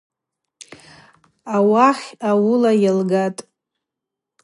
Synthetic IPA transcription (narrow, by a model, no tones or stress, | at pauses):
awaχʲawʊlajalɡatʼ